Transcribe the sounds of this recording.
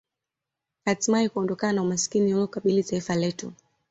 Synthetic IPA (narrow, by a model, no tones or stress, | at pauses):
hatimaikuɔndɔkananaumasi̥kinihulɔukaɓilitaifalɛtu